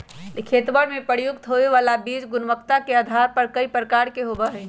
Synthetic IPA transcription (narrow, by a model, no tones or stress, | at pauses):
likʰet̪bəɽmepəɾjukt̪ɦoʋeʋalabid͡ʒɡʊnʋəkt̪akeəd̪ʱaɾpəɾkəipɾəkaɾkeɦobəɦɛ